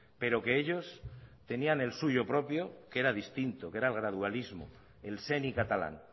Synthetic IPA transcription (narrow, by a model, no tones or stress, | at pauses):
pe̞ɾo̞ke̞eʎo̞st̪e̞nianelsuʝo̞pɾo̞pjo̞ke̞ɾaðist̪int̪okeɾaelɣ̞ɾaðualizmo̰ | e̞lse̞nikat̪ala̰n